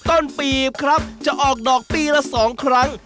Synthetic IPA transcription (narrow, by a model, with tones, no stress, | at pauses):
t̪o˥˩npiː˨˩p̚kʰɾa˦˥p̚t͡ɕa˨˩ʔɔː˨˩k̚dɔː˨˩k̚piː˧ɾa˧˥sɔː˩˦ŋkʰɾa˦˥ŋ